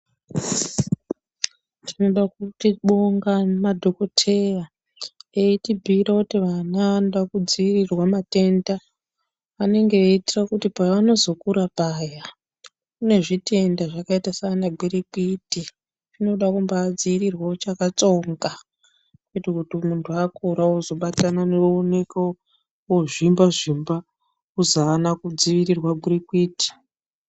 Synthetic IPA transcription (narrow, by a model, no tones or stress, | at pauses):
tino̞ɗakutiɓo̞ŋɡamadʱo̞ko̞tʰe̞ja | eitibʱiɾakutiʋanaʋno̞ɗakud͡ziːrirwamate̞nda | ane̞ŋɡe̞itirakutipajaano̞zo̞kuɾapaːja | une̞ʐite̞ndaʐakaitasanaɡʱiɾikiti | ʐino̞ɗakumbaːd͡ziiɾirwaot͡ʃakat͡so̞ŋɡa | ketikutimuntʰuakuɾauzo̞ɓatananerune̞ka | woʐimbaʐimba | uzaːnakud͡ziʋiɾirwaɡʱirikwiːti̥